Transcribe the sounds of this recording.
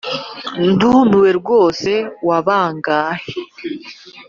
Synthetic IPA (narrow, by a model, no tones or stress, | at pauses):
ndunuwe̞ɾɡo̞ːse̞waβaːŋɡaːhe